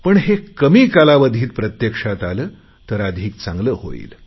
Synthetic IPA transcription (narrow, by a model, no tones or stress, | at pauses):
pəɳɦekəmiːkalaʋəd̪ʱiːt̪̚pɾət̪jəkʂat̪aləː | t̪əɾəd̪ʱiːk̚t͡sãŋɡləːho̰ḭːl